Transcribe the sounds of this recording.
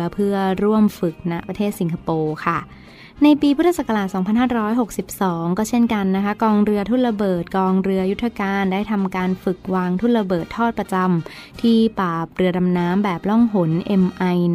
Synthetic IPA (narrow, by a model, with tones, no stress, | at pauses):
pʰɯ˥˩ɐɾu˥˩əmfɯ˨˩k̚na˦˥ʔpɾa˧t̪ʰeː˥˩t̪si˩˦nkʰa˧poː˧kʰa˥˩ | na˧jpiː˧pʰu˦˥t̪ʰːa˧˩sa˨˩kːa˧laː˨˩t̪̚sɔː˩˦ŋpʰa˧nɦaː˥˩ɾɔː˦˥jɦo˨˩k̚si˨˩p̚sɔː˩˦ŋkɔː˥˩t͡ɕʰe˥˩nka˧nːa˦˥kʰa˦˥kɔː˧ŋɾɯ˧ɐt̪ʰuː˥˩t̪̚ɾa˧bɤː˨˩t̪̚kɔː˧ŋɾɯ˧ɐju˦˥t̪ʰɾa˧kaː˧ndaː˥˩jt̪ʰa˧mkaː˧nfɯ˨˩k̚waː˧ŋt̪ʰuː˥˩t̪̚ɾa˧bɤː˨˩t̪ʰːɔː˥˩t̪̚pɾa˧t͡ɕa˧m | t̪ʰiː˥˩paː˨˩p̚ɾɯ˧ɐda˧mnaː˦˥mbɛː˨˩p̚lɔ˥˩ŋɦo˩˦nʔe˧mʔa˧j